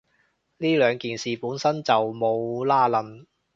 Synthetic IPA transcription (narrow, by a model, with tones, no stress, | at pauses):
liː˥lœː˨˧ŋkiː˨nsiː˨˩puː˨˥nsɐ˥nt͡sɐ˨wmo˨˧wlaː˥˩lɐ˨˧n